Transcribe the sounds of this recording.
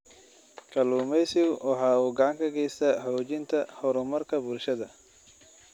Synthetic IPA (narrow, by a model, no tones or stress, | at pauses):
kʰɐluːmɛjsɪwʔɑħɑːuːɡɐʕɑŋkʰɐɡɛjst̪ʰɐħɔːt͡ʃɪnt̪ʰɐhɔɾʊmɐrkʰɐbuːlʃɐðɐ